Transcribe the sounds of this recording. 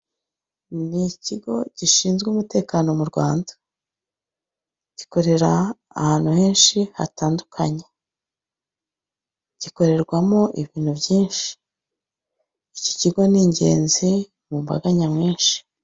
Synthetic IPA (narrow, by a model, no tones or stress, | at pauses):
niciɡo̞̰ɟ̥iʃiːnzɡuːmute̞ːkaːno̞muɾɡwa̰ːndḁ | ɟ̥iko̞ɾe̞ɾaː | haːn̥uhe̞ːnʃiha̰taːndukʰaɲe̞ | ɟ̥iko̞ɾe̞ɾɡwamo̞ʔiβiːn̥hubjiːnʃi̥ | ico̥ciɡo̞niːɲɟe̞̰ːnze | mumba̰ɡaɲamŋeːnʃi̥